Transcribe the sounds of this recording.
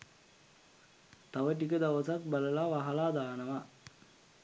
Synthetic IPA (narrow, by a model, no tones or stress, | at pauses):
t̪aʋəʈ̬ikəd̪aʋəsak̚baləlaʋaɦɐlaːd̪aːnəʋa